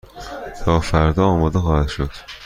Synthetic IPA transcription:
t̪ʰɒːfæɾd̪ɒːɒːmɒːd̪exɒːhæd̪ʃod̪̥

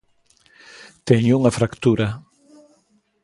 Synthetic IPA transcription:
t̪eɲuŋafɾakt̪uɾa

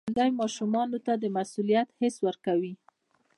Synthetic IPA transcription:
nd̪ajmɑʃumɑnot̪ad̪əmasulijat̪hɪswəɾkawi

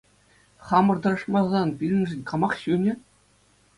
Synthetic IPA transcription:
χɑmɤ̆rd̪ɤ̆ɾɤ̆ʂmɑzɑnpʲilʲɘ̆nʲʐɘ̆nʲkɑmɑχɕunʲɘ̆

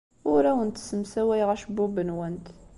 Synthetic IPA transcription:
ʊɾæwənt̪səmsæwæjʁæʃbubənwænt̪

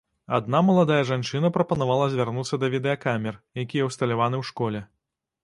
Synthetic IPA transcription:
a̰d̪namɐlˠad̪ajɐʐant͡ʂɨnɐpɾɐpɐnavalˠɐzʲvʲarnut̪sːɐd̪ɐvʲid̪ɛɐkamʲɛrjakʲijɛwst̪ɐlʲavanɨwʂkɔlʲɛ

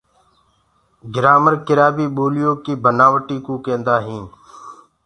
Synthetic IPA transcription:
ɡɪɾaːməɾkɪɾaːbiːɓoːlɪjoːkiːbʱənaːʋəʈiːkũːkẽːnd̪aːɦĩːn

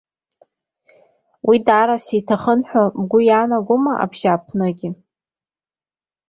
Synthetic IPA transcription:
wʔidaɾasitʰaχənħʷᶣabɡʷʊjanaɡʷʊmaʔa̰bʒapʰnɨɡʲɪ

